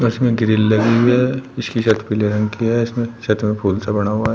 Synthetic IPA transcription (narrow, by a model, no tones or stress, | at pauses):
ʊɪsmẽɡɾɪlːɐɡiɦiɦɛɪskiʃɐt̪ʰpileɾɐ̃ŋɡkiɦɛɪsmẽʃɐt̪ʰmẽpʰuːlsabɐɽ̃aɦuaɦɛ